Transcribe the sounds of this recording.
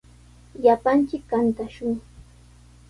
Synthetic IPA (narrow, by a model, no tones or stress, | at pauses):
japant͡ʃɪkːant̪aʃʊŋ